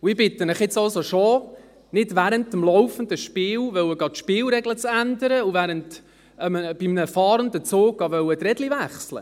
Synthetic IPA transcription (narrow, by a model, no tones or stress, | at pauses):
ʊɪbɪt̪ːənɪχjɪt͡sɑlsoʃo | nɪdvæːɾəntəmlɔwfəndəʃpɪːlʋœwəɡɑtʃpɪːlɾɛɡlət͡sændəɾəʊvæːɾənt | əmb̥ɪmnəfɑːɾəndət͡soːɡ̥ɑʋœwətɾɛdlivæχslə̰